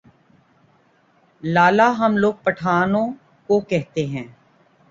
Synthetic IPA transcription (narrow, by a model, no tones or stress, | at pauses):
laːlaɦɐmloːɡ̚pɐʈʰaːnõ | kokɛɦt̪eɦɛ̃ː